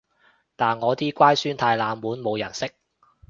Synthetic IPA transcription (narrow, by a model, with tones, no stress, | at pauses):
t̪aː˨nŋɔː˨˧t̪iː˥kʷaː˥jsyː˥nt̪ʰaː˧jlaː˨˧mwuː˨˥nmo˨˧wjɐ˨˩nsɪ˥k̚